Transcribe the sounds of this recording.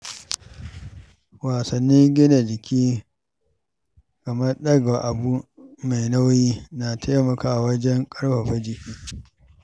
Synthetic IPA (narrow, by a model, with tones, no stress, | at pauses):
waː˨sɐ˨nːiː˦ŋɡʲɪ˦na˨dɪ˨kʲiː˦ | kɐ˨mɐ˦rɗɐ˦ɡa˨ʔa˨bu˦ma˨jna˦wjiː˦na˨tʰa˦mɐ˨kaː˨wɐ˦d͡ʒɛ˦ŋkʼɐ˦ɽɸa˨ɸɐ˦d͡ʒiː˦